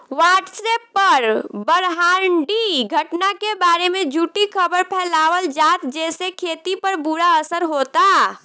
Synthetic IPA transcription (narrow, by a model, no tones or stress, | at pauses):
waːʈsepːəɾbəɾɦaːɾɳɖiɡʱəʈnakebaːɾemẽd͡ʒʱuːʈikʰəbəɾpʰɛːlaːwəld͡ʒaːt̪d͡ʒɛːsekʰeːt̪ipəɾbuɾaəsəɾɦoːt̪a